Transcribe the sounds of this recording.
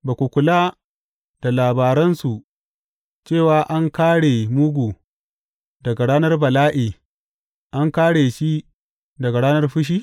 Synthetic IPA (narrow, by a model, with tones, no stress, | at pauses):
ba˨kʷu˨kʷʊ˨la˦ | d̥a˨laː˨baː˨ɾɛ˦nsu˨ | t͡ʃeː˦˨waː˨ʔa˦ŋkaː˦ɽe˨mʊ˦ɡʷuː˨ | dɐ˨ɡa˨ɽaː˦nɐ˦rbɐ˨laː˦ʔeː˨ | ʔa˦ŋkaː˦ɽeː˨ʃi˦ | dɐ˨ɡa˨ɽaː˦nɐ˦rɸʊ˦ʃ̬iː˦